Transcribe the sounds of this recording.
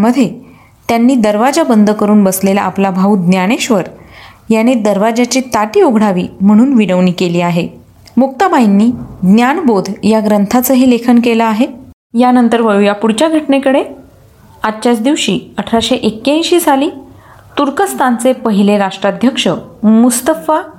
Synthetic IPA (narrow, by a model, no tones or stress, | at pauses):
məd̪ʱːje | t̪janːiːd̪əɾʋad͡ʑabənd̪ʱəkəɾuːnbəslela̰ːplabʱaud̪njaɽ̃eɕʋəɾ | janed̪əɾʋad͡ʑat͡ɕit̪aʈiːoɡʱɽaʋḭːm̤əɽ̃uːnʋiɽəʋɳiːkeliːaɦe | muk̚t̪əmainːiːd̪njaɳbod̪ʱjaɡɾənt̪ʰat͡səɦiːlekʰənkelaaɦe | janənt̪əɾʋəɭujapuɽt͡ɕjaɡʱəʈɳekəɽe | ad̪t͡ɕjat͡sd̪iʋɕiːəʈʰɾaɕeʔekːãɕiːd͡zʱaliː | t̪uɾkəst̪ʰant͡sepəɦileɾaʂʈɾad̪ʱjəkʂəmust̪əfa